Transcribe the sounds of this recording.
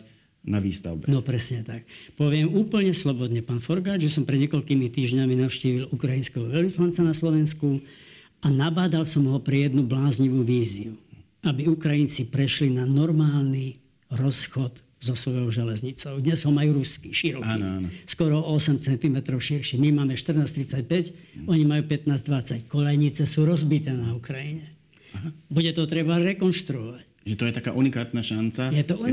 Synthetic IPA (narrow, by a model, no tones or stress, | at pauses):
naʋḭːst̪a̰ʊbnɔpɾɛsɲɛt̪ak̚pɔʋɪɛmuːpl̩ɲɛslɔbɔd̪ɲɛpaːnfɔɾɡaːd͡ʒ̪ʒɛsɔmpɾɛd̪ɲɛkɔʎkiːmit̪iːʒɲaminaʊʃciːʋilukɾajinskɛɦɔʋɛlʋislant͡sanaslɔʋɛnsku | anabaːd̪alsɔmɦɔpɾɛjɛd̪nublaːzɲiʋuːʋiːziu | abiukɾajint͡sipɾɛʃlinanɔɾmaːlni | ɾɔsxɔd̪ | zɔsʋɔjɔʊʒɛlɛzɲit͡sɔʊd̪ɲɛzɦɔmajuːɾuskiʃiɾɔaːinanɔskɔɾɔɔsɛmt͡sɛnt̪imɛt̪ɾɔʊʃiɾʃimimaːmɛʃt̪r̩naːst̪ɾit͡sac̚pɛc | ɔɲimajuːpɛt̪naːzd̪ʋat͡sackɔʎɛjɲit͡sɛsuːɾɔzbit̪ɛːnaukɾajiɲɛ | ɦabuɟɛt̪ɔt̪ɾɛbaɾɛkɔnʃt̪ɾuɔʋac | ʒɛt̪ɔjɛt̪akaːʔunikaːt̪naʃant͡sajɛt̪ɔu